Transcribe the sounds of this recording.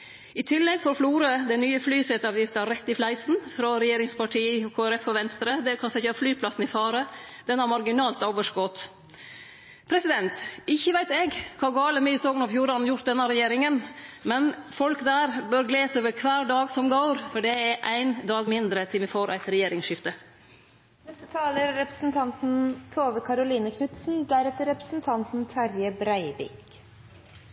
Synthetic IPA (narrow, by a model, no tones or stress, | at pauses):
ɪt̪ʰɪlːɛɡfɔɾfluːɾəd̪ɛɪnyːəflyːsɛt̪ɑːʋjɪft̪əɑɾɛt̪ːɪflæɪsn̩fɾɔɾɛjeːɾɪŋspɑʈʰiːɔkʰoːæɾɛfɔʋɛnst̪ɾəd̪ɛkʰɑnsɛçəɑflyːpʰlɑsn̩ɪfɑːɾə | d̪̥ɛnhɑɾmɑɾɡɪnɑːlt̪oːʋəʂɡɔt̪ | pʰɾɛsɪd̪ɛnt̪ɪçːəʋæɪt̪ɛɡkʰɑːɡɑːləmyːəsoːɡənɑʋfjuːɾɑnn̩jʊɾt̪d̪ɛnːəɾɛjeːɾɪŋənmɛnfɔlkd̪æːɾbøːɾɡleːsoːʋəɾkʰʋæːɾɖɑːɡsɔmɡoʊɾfɔɖɛɛɾʔæɪnd̪ɑːɡmɪnd̪ɾət̪ʰɪlmɛfoːɾʔæ̰ɪt̪ɾɛjeːɾɪŋsʃɪft̪ə | nɛst̪ət̪ʰɑːləɾːɛpɾəsn̩t̪ʰɑnt̪n̩t̪ʰoːʋəkʰɑɾʊliːnəkʰnʉt̪sn̩d̪æɾɛt̪əɾɛpɾəsn̩t̪ʰɑnt̪n̩t̪ʰæɾjəbɾæɪbɪ̰k